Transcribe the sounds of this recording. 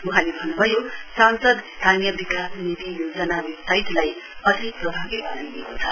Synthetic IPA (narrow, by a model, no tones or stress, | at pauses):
uɦalebʱʌnːubʱʌjosansʌd̪st̪ʰanjʌbikasnit̪ijod͡zʌnaɾit̪ajt̪lajʌt̪iprʌbʱaɡibʌnaniekot͡sʰʌ̥